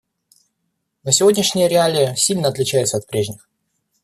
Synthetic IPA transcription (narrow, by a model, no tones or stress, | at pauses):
nəsʲɪvodʲnʲɪʂnʲɪjəɾʲɪalʲɪjəsʲilʲnəɐt̪lʲɪt͡ɕæjɪt̪səɐt̪̚pɾʲeʐnʲɪx